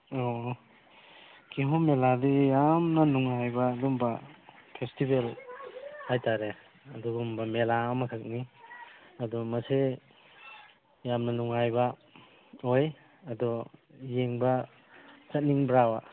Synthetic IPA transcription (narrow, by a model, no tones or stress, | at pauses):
o | kiɦomeladijamnɐnuŋajbaːdumbɐpʰestibel | hajtaɾe | ɐduɡumbɐmelamakʰak̚ni | ɐdɔmɐse | jamnɐnuŋajbɐ | oj | ɐdɔjeŋbɐ | sat̚niŋbɾawa̰